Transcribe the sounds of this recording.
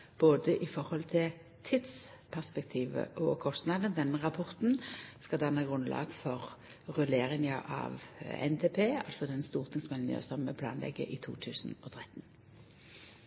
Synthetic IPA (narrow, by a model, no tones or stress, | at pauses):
b̥oːd̪əʔɪfɔʁhɔlt̪ʰɪl | t̪ʰɪt̪spʰæʁspɛk̚t̪ʰiːʋə̰ʔɔkʰɔst̪nɑd̪ənd̪ɛnəʁɑpʰɔʁt̪n̩skɑd̪ɑnːɑɡʁʉnlɑ̰ːɡfɔʁʁʉleːʁɪŋəʔɑ̰ʋɛ̰nt̪ʰeːpʰeːɑ̰lsɔd̪ɛnst̪uːʁt̪ʰɪŋsmɛlnɪ̰ə̰sɔmmɛpʰlɑ̰ːnlɛ̰ɡːə̰ʔɪt̪ʰṵːt̪ʰʉːsn̩ɔt̪ʰʁɛt̪n